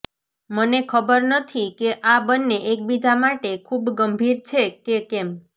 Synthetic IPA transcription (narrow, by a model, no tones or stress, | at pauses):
mənekʰəbəɾnət̪ʰikeʔabənːeʔek̚bid͡ʒamaʈekʰubɡəmbʱiɾt͡ʃʰekekɛm